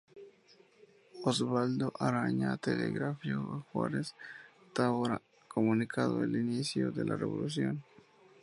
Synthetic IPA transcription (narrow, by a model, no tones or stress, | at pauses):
ozβald̪oʔaɾaɲat̪eleɣɾafjoɣaxwa̰ɾes | t̪aβoɾa | kʰomunikʰaðoelinisjoðe̞lʔareβo̞lus̬jo̞n